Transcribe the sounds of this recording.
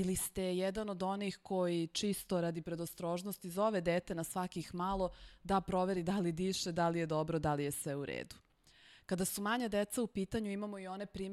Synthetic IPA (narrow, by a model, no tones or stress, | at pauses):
ilist̪e̞jɛd̪anod̪o̞nixkojit͡ʃist̪o̞ɾad̪ipɾed̪ost̪ɾo̞ːʒnost̪izo̞ʋe̞d̪eːt̪e̞nasʋakixmalˠo̞d̪apɾo̞ʋe̞ɾid̪alid̪iʃed̪alije̞d̪o̞bɾod̪alijesʋeuɾḛːd̪u̥ | kad̪asumaɲad̪et̪saupiːt̪aɲuimamoio̞ne̞pɾiː